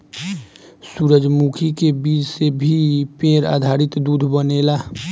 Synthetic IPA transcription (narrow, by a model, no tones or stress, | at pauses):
suːɾəd͡ʒmukʰikebiːd͡ʒsebʱipẽːɾa̰ːd̪ʱaːɾɪt̪d̪uːd̪ʱbəneːlaː